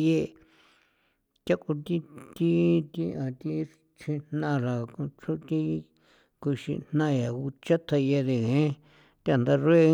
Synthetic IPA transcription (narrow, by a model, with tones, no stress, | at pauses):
je˧ | tʲa˦ku˧t̪i˦t̪i˦t̪i˧ʔã˨t̪i˦ | t͡ʃʰĩ˧nnã˧ɾa˨kũ˧t͡ʃʰu˦t̪i˦˧ | ku˧ʃḭ˧n̥nã˦˧ja˨u˧t͡ʃa˦t̪ʰa˧je˧ðe˧ɣẽ˨˦ | t̪a˨nd̪a˧ɾwe˦